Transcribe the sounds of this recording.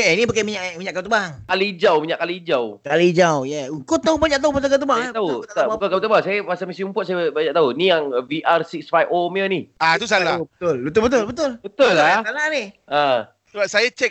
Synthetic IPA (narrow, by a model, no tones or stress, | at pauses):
aainipakamiɲaʔmiɲaʔkat̪əbaŋkalid͡ʒawmiɲaʔkalid͡ʒawkalid͡ʒawjaukʊt̪ːaupaɲaʔ̚t̪aupasakat̪̬əbaŋat̪aut̪aukakat̪əbaŋsajapasamisiumpʊt̪̚sajabaɲaʔ̚t̪aunijaŋviʔarsik̚sfajfomənihat̪us̬alabət̪ʊlbət̪ʊlbət̪ʊlbət̪ʊlbət̪ʊlːaasalahnihə | səbap̚sajat͡ʃɛk̚